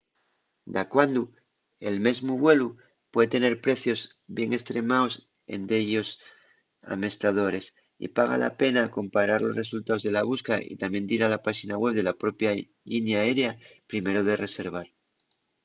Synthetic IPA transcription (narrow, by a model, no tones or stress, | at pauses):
d̪akwand̪u | e̞lme̞zmuβwe̞lu | pweðet̪e̞ne̞ɾpɾe̞θjo̞z | bje̞ŋe̞st̪ɾe̞maos | ḛnd̪e̞ʎo̞s | a̰me̞st̪að̞o̞ɾe̞s | ḭpaɣ̞a̰la̰pe̞nako̞mpaɾaɾlo̞sre̞sult̪ao̞zðelaβ̞uskaḭt̪amje̞nd̪iɾalapaʃinaɣwe̞βðe̞lapɾo̞pja | ʎinjae̞ɾeapɾime̞ɾoð̞e̞re̞se̞ɾβ̞aɾ